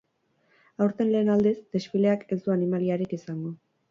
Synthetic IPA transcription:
awɾt̪e̞nle̞ːnald̪esd̪e̞sfile̞ake̞sd̪uanimaliaɾikisaŋɡo̞

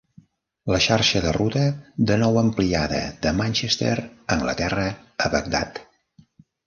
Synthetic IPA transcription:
ləʃaɾʃəðərut̪əd̪ənɔwəmpliaðə̰ðəmanʲt͡ʃest̪ḛɾəŋɡlə̰t̪ɛrəəβək̚d̪a̰t̪

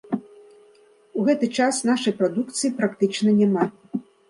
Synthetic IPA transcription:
uɣɛt̪ɨt͡ʂasnaʂɐjpɾad̪ukt̪sɨjipɾakt̪ɨt͡ʂnɐnʲama

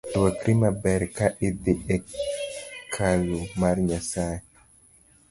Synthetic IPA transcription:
wakɾimabɛɾkaʔɪd̪ɪɛ | kʰalumaɾɲasa

